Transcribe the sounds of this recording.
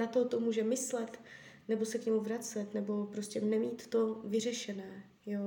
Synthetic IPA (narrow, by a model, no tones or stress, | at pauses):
nat̪ot̪omuːʒɛmɪslɛt̪nɛbo̞sɛkɲɛmuvɾat͡sɛt̪nɛbo̞pɾoscʲɛnɛmiːt̪ːo̞vɪr̝ɛʃɛnɛː | jo